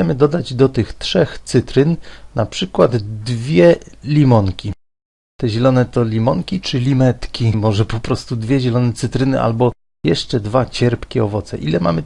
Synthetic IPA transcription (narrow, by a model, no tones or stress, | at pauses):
ɛmɘd̪ɔd̪ad͡ʑd̪ɔt̪ɘxtʂɛxt̪sɘt̪ɾɘnːapʂɘkwad̪d̪vʲjɛlʲimɔŋkʲi | t̪ɛʑɛlɔnɛt̪ɔlʲimɔŋkʲit͡ʂɘlʲimɛt̪kʲimɔʐɛpɔpɾɔst̪ud̪vʲjɛʑɛlɔnɛt̪sɘt̪ɾɘnɘʔa̰lbɔ | jɛʂt͡ʂɛd̪vat͡ɕɛɾpkʲɛɔvɔt̪sɛ̰ʔilɛma̰mɘ